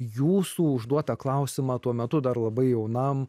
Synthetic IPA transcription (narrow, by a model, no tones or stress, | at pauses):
juːsuːʊʒd̪uɔt̪ɐklˠɐʊsʲɪmɑːt̪uɔmʲɛt̪ʊd̪ɐɾlˠɐbɐɪjɛʊnɐm